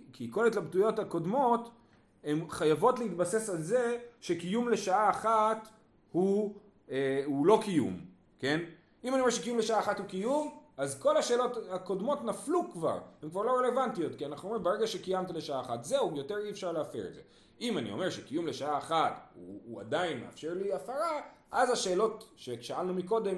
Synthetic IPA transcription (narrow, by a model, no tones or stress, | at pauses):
kʰiko̞letlabt̪ujo̞thako̞dmo̞t | hemχajavo̞tleitbase̞salzeʃe̞kijumle̞ʃaaːχat | hu | eulo̞kijṵm | ke̞n | imanie̞ʁʃekijumleʃaaːχathukijumazko̞laʃe̞ːlo̞thako̞dmo̞tnaflukva̰ʁhemkvaʁlo̞ʁele̞vantijo̞tkianaχnuomʁimbeʁeɡaʃekijamt̪̬ile̞ʃaaːχatzeujo̞teʁiefʃaʁleafḛʁḛze̞̰ | imanḭome̞ʁʃekijumle̞ʃaaːχatṵːa̰dainmea̰fʃe̞ʁliafaʁaʔazaʃe̞ːlo̞tʃeʃaalnumiko̞d̪e̞m